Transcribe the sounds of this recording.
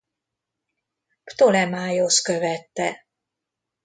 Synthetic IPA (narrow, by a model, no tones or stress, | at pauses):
pt̪olɛmaːjoskø̞vɛt̪ːɛ